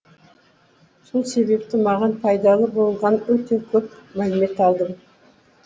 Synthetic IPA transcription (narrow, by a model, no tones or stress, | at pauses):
so̞lˠse̞βe̞pt̪ɪmɑʁɑnpʰɑjd̪ɑlˠəbo̞lˠʁɑnwɵt̪e̞kʲʰɵpmælɪme̞t̪ɑlˠd̪əm